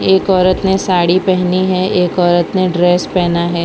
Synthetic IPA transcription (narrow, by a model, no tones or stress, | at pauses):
eːkɔːɾət̪nẽsaːɽipɛɦniɦɛeːkɔːɾət̪nẽɖɾeːspɛɦnaɦɛː